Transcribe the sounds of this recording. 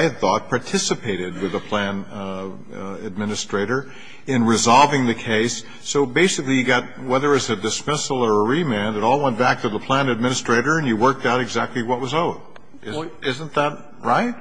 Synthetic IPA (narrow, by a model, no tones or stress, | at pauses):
ɪθɔt̚pʰɑɹtʰɪsɨpʰeɪɾɨd̚wɨðəpʰl̥æ̃n | ɨd̚mɪ̃nɨstɹ̥eɪɾə˞ | ɪ̃nɹɨzɑlˠvɪ̃ŋðɨkʰeɪsː | oʊbeɪsɨklijɨɡɑt̚wɛðə˞ɨtsɨdɨsmɪsl̩ˠə˞əɹimæ̃nðɨɾɔlˠwɛ̃nb̥æk̚tʰɨðəpʰl̥æ̃nɨd̚mɪ̃nɨstɹ̥eɪɾə˞ɨ̃njɨwɜ˞k̚taʊɾɨɡzæk̚tˡliwʌt̚wʌzoʊt̚ | ɪzɪzə̃n̩ðət̚ | ɹaɪt̚